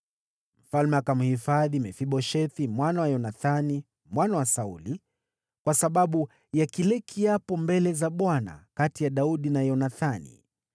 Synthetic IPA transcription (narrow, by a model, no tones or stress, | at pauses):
m̩falmɛakam̩hifaðimɛfiɓɔʃɛθimwanawajɔnaθani | mwanawasauli | kwasaɓaɓu | jakilɛkʰiapɔmbɛlɛzaɓwana̰katijaɗauɗinajɔnaθanḭ